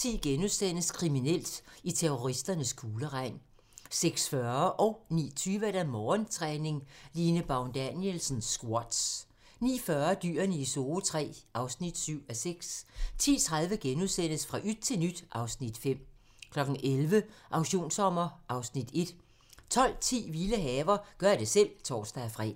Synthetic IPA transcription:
t͡sʰḭːɡ̥enuðˠsen̰əskʰʁiminel̰d̥it͡sʰeʁoʁisd̥ɐnəsɡ̥ʰo̝ːləʁɑ̈ɪ̰n | seɡ̥sfɶɐʔɒ̽ʊnḭːt͡sʰyːʋəed̥æmɒːnt͡sʰʁɛːne̝ŋliːnəb̥ɑʊnd̥ænjelsn̩sɡ̥wɒd̥s | nḭːfɶːɐd̥y̰ːɐniso̝ːt͡sʰʁɛ̰ːʔɑ̈ʊsnid̥syʊ̰æseɡ̥st͡sʰḭːt͡sʰʁäðˠʋəɡ̥enuðˠsen̰əsfʁɑ̈ʔyd̥̚t͡sʰe̝lnyd̥ʔɑ̈ʊsnid̥fem̰ | kʰlɒ̽ɡ̥n̩ʔelʋəʔɑ̈ʊɕo̝̰ːnsɒm̰ɐʔɑ̈ʊsnid̥e̝d̥ | t͡sʰɒ̽l̰t͡sʰḭːʋiləɦɛːʋɐɡ̥ɶɐd̥e̝sel̰t͡sʰɒ̰ːsd̥æfʁɛ̰ː

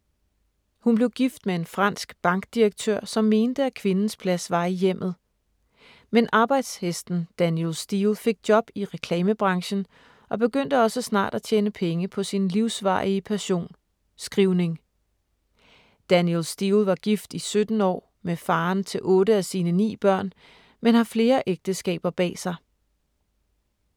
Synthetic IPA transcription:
hunb̥le̝ʊɡ̥ifd̥mee̝nfʁɑ̈n̰sɡ̥b̥ɑ̈ŋɡ̥d̥iʁɐɡ̥̚t͡sʰøɐ̰sɒ̽mːe̝ːnd̥əækʰʋe̝nn̩spʰlæsʋɑ̈ijem̰ð̩ˠ | menʔɑ̈ːb̥ɑ̈ɪd̥shesd̥n̩d̥ænjelsd̥ilfe̝ɡ̥̚d̥jɒ̽b̥iʁɛkʰlɛːməb̥ʁɑ̈ŋɕn̩ | ʔɒ̽b̥e̝ɡ̥øn̰d̥əɒ̽səsnɑ̰̈ːd̥æt͡ɕʰeːnəpʰeŋəpʰɒ̽sinliʊsʋɑ̰̈ːiəpʰæɐɕo̝̰ːn | sɡ̥ʁiʊne̝ŋ | d̥ænjelsd̥ilʋɑ̈ɡ̥ifd̥isød̥n̩ɒ̰ː | mefɑ̈ːnt͡sʰe̝lʔɔ̽ːɾəæsiːnənḭːb̥ɶɐ̰n | menhɑfle̝ːɐʔeɡ̥̚d̥əsɡ̥ɛ̰ːb̥ɐb̥ɛ̰ːsɑ̈ɪ

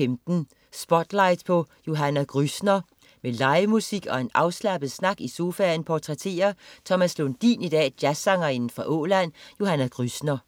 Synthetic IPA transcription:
emd̥n̩ | sb̥ɒ̽d̥lɑ̈ɪd̥pʰɒ̽jo̝ɦænæɡ̥ʁysnɐ | melɑ̈ɪmusiɡ̥ɒ̽e̝nɑ̈ʊslæb̥əð̩ˠsnɑ̈ɡ̥iso̝ːfænpʰɒt͡sʰʁɛt͡sʰe̝̰ːɐt͡sʰɒ̽mæslond̥ḭːnid̥ɛ̰ːd̥jæsɑ̈ŋɐe̝nn̩fʁɑ̈ʔɔ̰ːlænjo̝hænæɡ̥ʁysnɐ

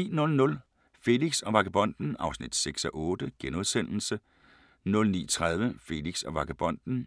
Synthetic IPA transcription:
ḭːnɔ̽lnɔ̽l | fe̝liɡ̥sɒ̽ʋɑ̈ɡ̥æb̥ɒ̽n̰d̥n̩ɑ̈ʊsnid̥seɡ̥sɒʔɔːd̥əɡ̥enoðˠsen̰l̩sə | nɔ̽lnḭːt͡sʰʁað̞ˠʋəfe̝liɡ̥sɒ̽ʋɑ̈ɡ̥æb̥ɒ̽n̰d̥n̩

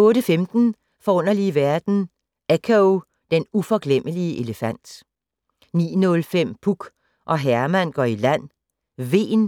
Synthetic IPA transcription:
ɔ̽ːɾəfemd̥n̩ | fɒ̽ɔ̽n̰ɐliʋæɐd̥n̩ | ækʰæ | d̥enufɒ̽ɡ̥lem̰ʔəliəʔe̝ləfæn̰d̥ | nḭːnɔ̽lfem̰pʰuɡ̥ | ʔɒ̽ɦæɐmæn̰ɡ̥ɒilæn̰ | ʋe̝̰ːn

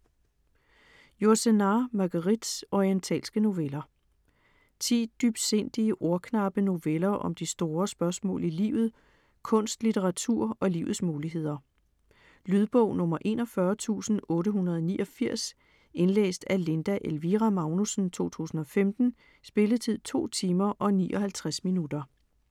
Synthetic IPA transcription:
joɐsenɑmɑ̈ɡ̥ɐʁid̥sɒient͡sʰɛ̰ːlsɡ̥əno̝ʋelɐ | t͡sʰḭːd̥yb̥se̝n̰d̥iəʔo̝ɐkʰnɑ̈b̥əno̝ʋelɐʔɒ̽md̥isd̥o̝ːɐsb̥ɶɐsmɔ̰̽ːlilḭːʊð̞̩ˠ | kʰɔ̽n̰sd̥lit͡sʰeʁɑ̈t͡sʰuɐ̰ɒ̽lḭːʊð̩ˠsmuːliɦe̝ð̞̰ˠɐ | lyðˠb̥ɔʊ̰nɔ̽mɐʔe̝ːnɒ̽fɶɐt͡sʰṵːsn̩ɔ̽ːɾəɦunɐð̞ˠɒniːʔɒ̽fiɐ̰s | e̝nlḛːsd̥æɐle̝nd̥æʔelʋiʁæmɑ̈ʊnusn̩t͡sʰo̝̰ːt͡sʰṵːsn̩ɒ̽femd̥n̩ | sb̥e̝ləðˠt͡sʰið̞̰ˠt͡sʰo̝̰ːt͡sʰiːmɐʔɒ̽nḭːʔɒ̽hælt͡sʰʁasminud̥ɐ

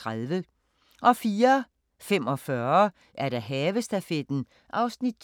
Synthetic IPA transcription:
ʁaðˠʋə | ʔɒ̽fiːɐ | fem̰ɒ̽fɶːɐɐ | ʔæɐɾ̥æɦɛːʋəsd̥æfed̥n̩ | ʔɑ̈ʊsnid̥̚

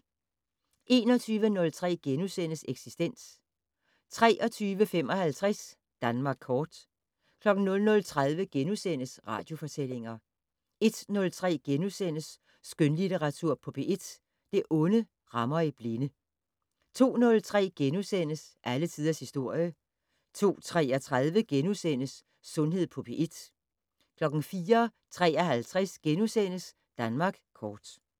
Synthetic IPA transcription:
ʔe̝ːnɒ̽t͡sʰyːʋənɔ̽lt͡sʰʁɛ̰ːɡ̥enusen̰əseɡ̥sisd̥en̰s | t͡sʰʁɛ̰ːʔɒ̽t͡sʰyːʋəfem̰ɒ̽hælt͡sʰʁɛs | d̥ænmɑ̈ːɡ̥̚ʰɒːd̥ | kʰlɒ̽ɡ̥n̩nɔ̽lnɔ̽lt͡sʰʁað̞ˠʋəɡ̥enusen̰əsʁɑ̈ːd̥jo̝fɒ̽t͡sʰel̰e̝ŋɐ | e̝d̥nɔ̽lt͡sʰʁɛ̰ːɡ̥enusen̰əsː | ɡ̥ønlit͡sʰeʁɑ̈t͡sʰuɐ̰pʰɔ̽b̥e̝ʔe̝d̥ | d̥e̝ʔɔ̽nə | ʁɑ̈mɐib̥lenə | t͡sʰo̝̰ːnɔ̽lt͡sʰʁɛ̰ːɡ̥enusen̰əsʔælət͡sʰiðˠɐshisd̥o̝ɐ̰jə | t͡sʰo̝̰ːt͡sʰʁɛːɐt͡sʰʁaðˠʋəɡ̥enusen̰əsː | ɔ̽nɦe̝ð̞̰ˠpʰɔ̽pʰiʔe̝d̥ | kʰlɒ̽ɡ̥n̩fiːɐ | t͡sʰʁɛ̰ːɐɦælt͡sʰʁɛsɡ̥enusen̰əs | d̥ænmɑ̈ːɡ̥kʰɒːd̥

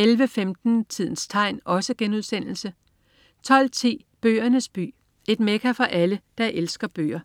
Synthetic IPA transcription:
elʋəfemd̥n̩t͡sʰið̞̰ˠn̩st͡sʰɑ̈ɪ̰nʔɒ̽səɡ̥enuð̞ˠsen̰l̩sə | t͡sʰɒ̽l̰t͡sʰḭː | b̥ø̰ːɐnəsb̥y̰ː | e̝d̥mekʰæfɒ̽ʔæləd̥ɑ̈ʔelsɡ̥ɐb̥ø̰ːɐ

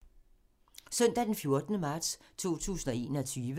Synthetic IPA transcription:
sœn̰d̥æd̥enfjo̝ɐd̥ənəmɑ̈ːd̥st͡sʰo̝̰ːt͡sʰṵːsn̩ɒe̝̰ːnɒt͡sʰyːʋə

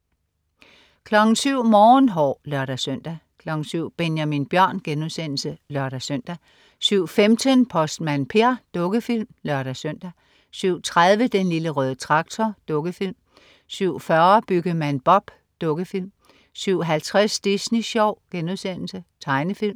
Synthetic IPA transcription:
kʰlɒ̽ɡ̥n̩syʊ̰mɒːnɦɒ̰lɶɐɾ̥æsøn̰d̥ækʰlɒ̽ɡ̥n̩syʊ̰b̥enjæminb̥jɶɐ̰nɡ̥enuðˠsen̰l̩səlɶɐɾ̥æsøn̰d̥æ | syʊ̰femd̥ʰənpʰɒ̽sd̥mænpʰe̝ɐd̥ɔ̽ɡ̥əfil̰mlɶɐɾ̥æsøn̰d̥æ | syʊ̰t͡sʰʁaðˠʋəd̥enliləʁœːð̞ˠət͡sʰʁɑ̈ɡ̥̚t͡sʰɒd̥ɔ̽ɡ̥əfil̰m | syʊ̰fɶɐb̥yɡ̥əmænb̥ɒ̽b̥ | d̥ɔ̽ɡ̥əfilm | syʊ̰ɦælt͡sʰʁasd̥isniɕɒʊ̰ɡ̥enuðˠsen̰l̩sət͡sʰɑ̈ɪnəfil̰m

